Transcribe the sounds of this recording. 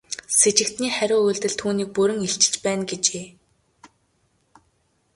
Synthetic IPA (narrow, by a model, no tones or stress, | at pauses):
set͡ɕɪ̆kt̪niːχæɾʲʊːujɮt̪ɘ̆ɮt̪ʰuːniːk̚pɵɾɘ̆ŋeɬt͡ɕɪ̆t͡ɕpæːnɡet͡ɕeː